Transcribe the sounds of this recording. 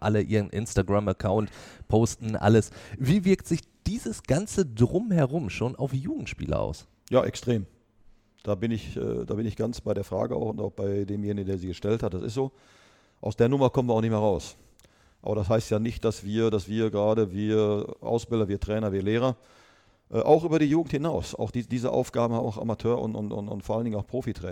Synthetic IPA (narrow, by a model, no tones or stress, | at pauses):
ʔa̰ləʔiːʁ̞ənʔɪnstaɡʁaməkʰaʊntpʰoːstn̩ʔa̰ləsviːvɪɐktz̥ɪçd̥iːzəsɡ̥ant͡sədʁʊmhɛɐʁʊmʃoːnʔa̰ʊfjuːɡŋ̩tʃpḭːlə̰ʔa̰ʊs | jaːʔɛ̰kstʁ̥eːm | d̥aːbɪnɪçʔə̰ːda̰ːbɪnɪçɡ̥ant͡sb̥aɪdeːɐfʁ̥a̰ːɡəʔa̰ʊxʊnta̰ʊxb̥aɪdeːmjeːnɪɡn̩deːɐziːɡəʃtɛlthat̚d̥asɪ̰stz̥oː | ʔaʊsd̥eːɐnʊmɐkɔmən̩iːɐaʊxnɪçmeːɐʁaʊs | ʔa̰ːbɐdasɦaɪstjaːnɪçt̚d̥asv̥iːɐdasv̥iːɐɡəʁaːɾəviːɐʔa̰ʊsb̥ɪldɐviːɐtʁ̥ɛːnɐviːɐleːʁ̞ɐ | ʔɛːʔaʊxʔyːbɐɾiːjuːɡŋ̩thɪnaʊsʔa̰ʊxd̥iːdiːzəʔa̰ʊfɡ̥aːbm̩a̰ʊxʔa̰matʰøːɐʔʊ̰ntʊ̰ntʊ̰ntʊ̰ntfɔːɐʔaləndɪŋnaʊxpʁ̥oːfitʁ̥ɛ̰ː